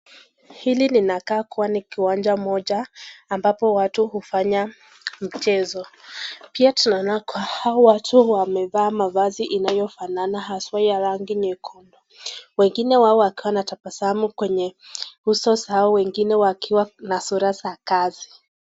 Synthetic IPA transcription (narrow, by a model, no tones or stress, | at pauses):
hilininakaːkuwanikiwand͡ʒamɔʄaːmbapɔwatuhufaɲa | m̩t͡ʃɛzɔpiatunanakwahaɔwatʰuwamɛvaːmavaziʔinajɔfananaɦaswajaɾaŋɡiɲɛkʰɔndɔ | wɛŋɡinɛwaɔwakiwanatapasahamukwɛɲɛhusɔsahaɔwɛŋɡinɛwakiwanasuɾasakazi